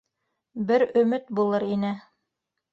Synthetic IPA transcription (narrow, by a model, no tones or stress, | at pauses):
bɘɾɵ̆mɘt̪bulˠɤɾinɘ